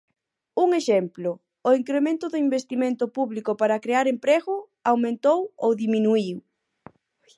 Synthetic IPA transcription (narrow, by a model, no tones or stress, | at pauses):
uŋeʃemplʊ | ʊiŋkɾemẽnt̪ʊðʊimbest̪imẽnt̪ʊpuβlikʊpaɾɐakɾeaɾempɾeɣʊ | awmẽnt̪owowðiminuiw